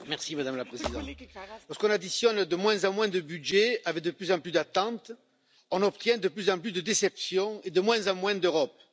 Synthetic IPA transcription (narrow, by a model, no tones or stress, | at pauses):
mɛʁsimad̪amlapχezid̪ɑ̰̃t̪lɔʁsəkɔ̃nad̪isjɔnd̪əmwɛ̃zɑ̃mwɛ̃d̪əbydʒeavɛk̚d̪əplyzɑ̃plyzd̪at̪ɑ̃t̪ | ɔ̃nɔpt̪jɛ̃d̪əplyzɑ̃plysd̪əd̪esɛpsjɔ̃ed̪əmwɛ̃zɑ̃mwɛ̃d̪øʁɔp̚